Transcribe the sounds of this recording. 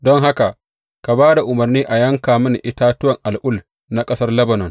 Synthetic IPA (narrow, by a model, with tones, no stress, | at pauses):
dɔ˦ŋɦa˦ka˨ʔ | ka˨baː˦da˨ʔʊ˨mɐ˨rniː˦ʔa˨jɐ˦ŋkaː˨mɪ˦nʔɪ˦taː˦tʊ˦wɐ˨ŋʔa˨lʔʊ˦l | na˦kʼɐ˦sɐ˦rlɐ˦bɐ˨nɔ˨n